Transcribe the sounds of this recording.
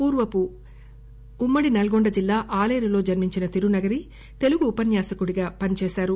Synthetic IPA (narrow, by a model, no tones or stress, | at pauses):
puːɾʋɐpu | mːɐɽinɐlɐɡoɳɖɐd͡ʒilːaːʔaːleːɾilo̞ːd͡ʒɐɾmiɲt͡ʃinɐt̪iɾunɐɡɐɾi | t̪e̞luɡuːpɐnjaːsɐkuɽiɡaːpɐnit͡ʃɛːʃaːɾu